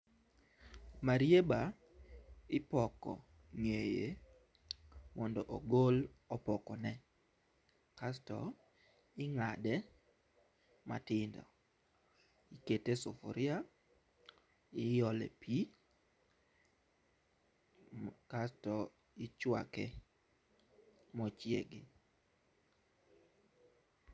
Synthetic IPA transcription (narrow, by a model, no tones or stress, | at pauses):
maɾjeba | ɪpɔkɔ̰ | ŋeje | mɔndɔʔoɡol | ɔpɔkɔnɛ | kastɔ̰ | ɪŋadɛ | ma̰tɪndɔ̰ | iketesofo̰ɾia | ɪjɔlɛ̰pʰi | kastɔ | ɪt͡ʃwa̰kɛ | mɔt͡ʃjeɡɪ